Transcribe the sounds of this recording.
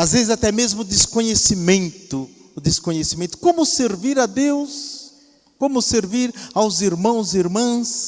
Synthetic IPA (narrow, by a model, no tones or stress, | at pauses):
azvezɪzat̪ɛmezmʊd̪eskõɲesimẽnt̪ʊ | ʊd̪eskõɲesimẽnt̪ʊ̥kõmʊseɾviɾɐd̪ews | kõmʊseɾviɾawziɾmɐ̃w̃ziɾmɐ̃s